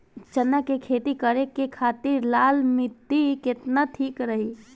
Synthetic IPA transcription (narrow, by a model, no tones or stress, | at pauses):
t͡ʃənːakekʰeːt̪ikəɾekekʰaːt̪iɾlaːlmɪt̪ːiket̪naʈ̪ʰiːkɾəɦi